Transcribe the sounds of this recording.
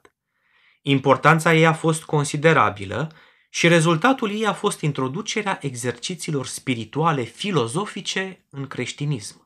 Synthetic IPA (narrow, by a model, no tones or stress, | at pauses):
impo̞rt̪ant̪saje̞jafo̞st̪ko̞nsid̪e̞ɾa̰bḭlə̰ | ʃiɾe̞zult̪at̪ulje̞jafo̞st̪int̪ɾo̞d̪ut͡ʃe̞ɾeaʔe̞ɡze̞rt͡ʃit̪siːlo̞rspiɾit̪uale̞filo̞zo̞fit͡ʃe̞ɨŋkɾe̞ʃt̪inism